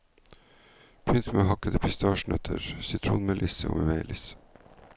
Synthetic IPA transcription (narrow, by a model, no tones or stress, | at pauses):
pʰʏnt̪meːhɑkəd̪əpʰɪst̪ʰɑːʃɳœt̪ʰə̰ɾsʏt̪ʰɾṵːnmeːlʔɪsəo̰ːmeːʋeɪlɪsə̥